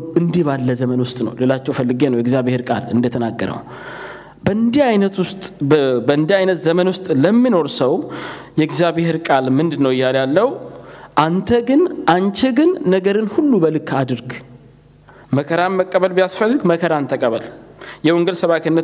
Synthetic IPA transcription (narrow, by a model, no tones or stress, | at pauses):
ʔɨnd̪ihβalːəzəmənwʊst̪ʼnə̰wlelat͡ʃːɛwfəlːɨɡenəwjɛɡzjaβeheɾkʼa̰lɨ̰nd̪ət̪ʰənaɡːəɾə̰w | bənd̪iajnət̪ʊst̪ʼbəɨnd̪iajnət̪zəmənwʊst̪ʼləmːino̞ɾsəw | jɛɡzjaβeheɾkʼalmɨnd̪ɨnːəwɪjːaljalːəwʔant̪ʰəɡɨnʔant͡ʃɛɡɨnːəɡəɾɨnhulːubəlɨkʰad̪ɨɾɡ | məkʰəɾanməkʼːəβəlbijasfəlːɨɡməkʰəɾant̪ʰəkʼəβəljɛwɔŋɡəlsəβakʰənːə